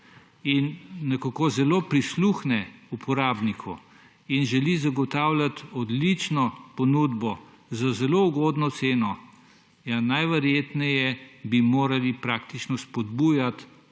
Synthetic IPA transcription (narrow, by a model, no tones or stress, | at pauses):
inːɛkakozɛloːpɾisluxnɛupʰɔɾaːbnikʰɔ | inʒɛlizaɡɔt̪aːwlʲjat̪ɔd̪lit͡ʃnɔpɔnud̪bɔ | zazɛlouɡoːd̪nɔt̪seːnɔ | janajʋɛɾjeːt̪nɛjɛbimoːɾalipɾaːkt̪it͡ʃnɔspɔd̪buːjat̪